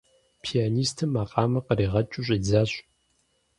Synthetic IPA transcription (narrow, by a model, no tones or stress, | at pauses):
pʰijaːniːstʰɨmaːqʼɑːmɐqəɾiːʁɐt͡ʃʼʊɕ̬ʼid͡zaːɕʼ